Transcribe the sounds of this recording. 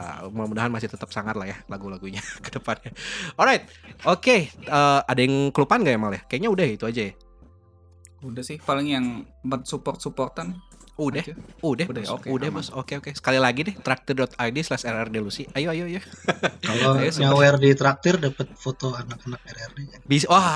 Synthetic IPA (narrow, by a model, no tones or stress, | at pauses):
mamudaɦanmasɪht̪ət̪əp̚saŋat̪lahjalaɡulaɡuɲakədəpanjaɔlɾajt̪̚okeəːadajɪŋkəlupanɡaʔjamaljahkajaʔɲaudahjit̪uad͡ʒaja | udahsɪhpalɪŋjaŋ | bət̪supɔrt̪̚supɔrt̪an | udahudahdaoudahbʊsokeokesə̥kalilaɡidɛht̪ɾak̚t̪ərdɔt̪ajdislɛsɛrɛrdelusɪajoajoajokaloasawɛrdit̪ɾak̚t̪ərdapət̪̚fot̪oanakanak̚ɛɾɛrdeabiswa